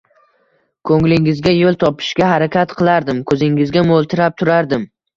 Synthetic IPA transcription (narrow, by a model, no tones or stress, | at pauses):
kʰɵŋlɪŋɪzɡʲajolˠt̪ʰɒpʰɪ̥ʃɡʲaɦaɾakʲat̪qʰɨlˠaɾd̪ɪmkʰɵzɪŋɪzɡʲamolˠt̪ʰɪɾap̚t̪ʰʊɾaɾd̪ɪm